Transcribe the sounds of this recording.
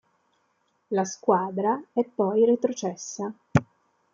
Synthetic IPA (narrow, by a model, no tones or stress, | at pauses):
laskwaːd̪ɾaɛpːɔjɾet̪ɾot͡ʃɛsːa